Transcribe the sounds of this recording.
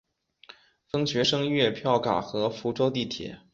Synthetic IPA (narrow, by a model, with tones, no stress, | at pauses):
fɤ˥ŋt͡ɕɥɛ˧˥ʂɤ˥ŋɥɛ˥˧pʰjɑ˥˩ʊka̰˨˩xɤ˧˥fu˧˥ʈ͡ʂo˥ʊt̪i˥˩t̪ʰjɛ̰˨˩˦